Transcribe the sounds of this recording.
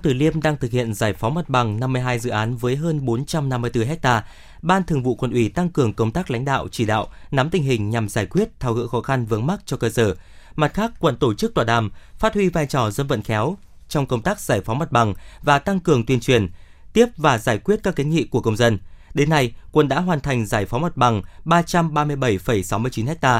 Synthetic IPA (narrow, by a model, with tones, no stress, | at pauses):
t̪ɨ˨˩li˧əmɗaː˧ŋt̪ʰɨ˨˩k̚hḭ˧˨ənzaː˧˩jfɔ˨˦mə˨˩t̚ɓa˨˩ŋna˧mːɨ˧əjɦaː˧jzɨ̰˧˨ʔaː˨˦nvəː˨˦jɦəː˧nɓo˨˦nt͡ɕa˧mna˧mːɨ˧əjt̪ɨ˧ɦɛ˦˥k̚t̪aː˧ | ɓaː˧nt̪ʰɨ˨˩əŋvṵ˧˨kwə̰˧˩nʔwi˧˩t̪a˧ŋkɨ˨˩əŋkə˧wŋ͡mt̪aː˦˥k̚la̰˧˦jŋ̟ɗa̰ː˧˨wt͡ɕi˧˩ɗa̰ː˧˨wna˨˦mt̪ï˨˩ŋ̟ɦhï˨˩ŋ̟ɲa˨˩mzaː˧˩jkwi˦˥ət̚t̪ʰaː˧wɣɨ̰˧˥xɔ˨˦xa˧nvɨ˨˦əŋma˦˥t̚t͡ɕɔ˧kəː˧səː˧˩ma˨˩t̚xaː˦˥kːwə̰˧˨nt̪o˧˩t͡ɕɨ˦˥k̚t̪waː˨˩ɗa̰ː˨˩mfaː˦˥t̚hwi˧vaː˧jt͡ɕɔ˨˩zwə˧nvə̰˧˨nxɛ˨˦w | t͡ɕɔ˧wŋ͡mkə˧wŋ͡mt̪aː˦˥k̚zaː˧˩jfɔ˨˦wmə˨˩t̚ɓa˨˩ŋvaː˨˩t̪a˧ŋkɨ˨˩əŋt̪wi˧ənt͡ɕwi˨˩ən | t̪i˦˥əp̚vaː˨˩zaː˧˩jkwi˦˥ət̚ka˦˥kːe˨˦ŋḭ˧˨ku˧˩əkə˧wŋ͡mzə˧nɗe˨˦nːa˧jkwə˧˩nɗa̰ː˧˥ɦwaː˨˩nt̪ʰa˨˩jŋ̟zaː˧˩jfa˨˦wmə˨˩t̚ɓa˨˩ŋɓaː˧t͡ɕa˧mɓaː˧mɨ˧əjɓə˧˩jfə˨˩jsa˨˦wmɨ˧ət͡ɕi˨˦nhɛ˦˥k̚t̪aː˧